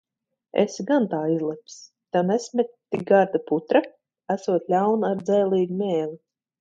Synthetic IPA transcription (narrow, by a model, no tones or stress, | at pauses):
ḛsɡant̪aːizlˠɛps | t̪anɛsmʲɛt̪ːiɡaɾd̪aput̪ɾa | æsuɔt̪lʲawnaɾd̪zɛːlˠiːɡumʲɛːli